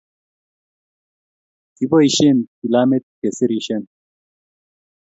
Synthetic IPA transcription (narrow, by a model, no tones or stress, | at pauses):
t̪ibɐiɕenkilaːmet̪̚kesiɾiɕen